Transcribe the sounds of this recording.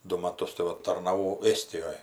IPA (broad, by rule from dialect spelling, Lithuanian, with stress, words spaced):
ˈdʊ mɐˈtʊs tɐɪ ˈʋɐ tɐrnɐˈʋɐʊ ˈeːsʲtʲɪjoːj